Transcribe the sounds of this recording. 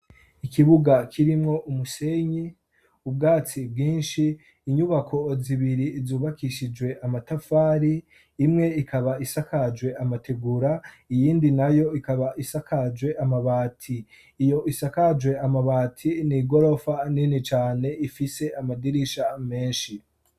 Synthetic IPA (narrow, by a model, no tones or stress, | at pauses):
ikʰiβuɡakʰiɾimŋo̞ʔumuse̞ɲi | ubɡaːt͡sibɡiːnʃiː | ɲuβakʰo̞ziβiɾizuːβakʰiʃid͡ʒwe̞ʔamatafaːɾiː | mŋe̞ikʰaβaisakad͡ʒwe̞amate̞ɡuɾa | ijiːndinajo̞ikaβaʔisakʰad͡ʒwe̞ʔamaβaːtʰiː | jo̞ʔisakad͡ʒwe̞amaβaːtʰiniɡo̞ɾo̞faninit͡ʃaːne̞ifise̞amadiɾiʃame̞ːnʃi